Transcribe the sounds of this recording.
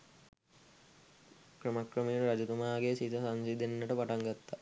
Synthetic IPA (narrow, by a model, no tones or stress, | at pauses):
kɾɐmɐkɾɐmiːnɾɐd͡ʒut̪umaːɡesit̪ɐsansid̪enːəʈəpaʈaŋɡat̪ːa